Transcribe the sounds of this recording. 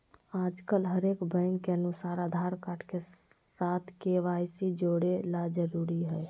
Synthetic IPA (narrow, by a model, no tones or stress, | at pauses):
aːd͡ʒkəlɦəɾekbɛ̃ŋkːeənusaːɾad̪ʱaɾkaʈʰke | sat̪ʰkeʋajsid͡ʒoɽelad͡ʒəɾuɾiɦɛj